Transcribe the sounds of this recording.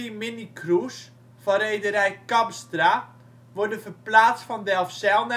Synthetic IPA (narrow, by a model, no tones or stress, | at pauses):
imɪnikrus | fɔɾejdəɾɛjkapstra | ʋɔdəfəplaːt͡stfɔndɛlˠfsɛlˠn